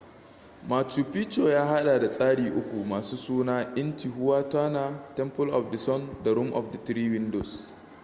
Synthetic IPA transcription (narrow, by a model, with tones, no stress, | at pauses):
maː˨suː˨pi˦t͡ʃoː˨jaː˦ɦa˦ɗaː˨da˨sʼaː˦ɽiː˨ʔʊ˦kʷu˨maː˨suː˦suː˦naː˦ʔɪ˦nti˨ɦʊ˦waː˦taː˦naː˨tɛ˦mpʊ˦lʔɔ˨fdɐ˨sɔ˦nda˨ɾʊ˦mʔɔ̰˨fdɐ˨tɾiː˦wɪ˦ndo˨s